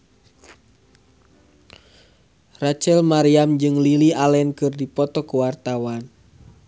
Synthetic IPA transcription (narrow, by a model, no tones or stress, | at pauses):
rat͡ʃɛlmaɾiamd͡ʒɨŋlilialɛnkɨrdipɔt̪ɔkuwart̪awan